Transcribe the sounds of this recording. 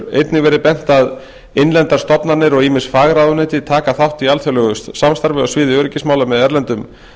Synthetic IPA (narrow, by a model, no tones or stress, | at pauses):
ḛjt̪nɪvɛːɾɪpɛn̥t̪að | enlɛnt̪aɾ̥st̪ɔpnanɪɾɔɣiːmɪnsfaːɣɾaðʏnɪːt̪ɪt̪ʰaːkaθawht̪ialθjœlœɣʏst̪samst̪aɾvɪɔsvɪːðɪœɾɪcɪsmaːwlamɛðɛɾlɛnt̪ʏm